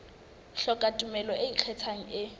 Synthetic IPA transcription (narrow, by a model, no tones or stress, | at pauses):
ɬɔkʼatʼumɛlɔeit͡ɬʰɛt͡sʰaŋ̩ɪ